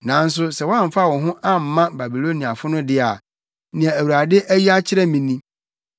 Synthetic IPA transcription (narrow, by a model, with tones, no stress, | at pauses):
nã˨˦n̩˦s̬ʊ˦sɛ˨wa˦˨m̩˨fa˦˨wɔ̃˨ɦʊ̃˦ʔa˦m̩˨mːã˦ba˨bi˨lo˦nĩ˨a˨fʊ˦nʊ̃˦dɪ˦a˨ | nɪ̃˨ã˨æ˨wu˨ɾa˨dɪ˦ʔæ˦ji˦a˦t͡ɕʰɪ˦ɾɛ˦mĩ˨nĩ˦